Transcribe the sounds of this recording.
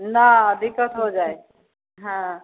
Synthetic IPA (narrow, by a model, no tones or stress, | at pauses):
nad̪ikːət̪ɦod͡ʒae | ɦã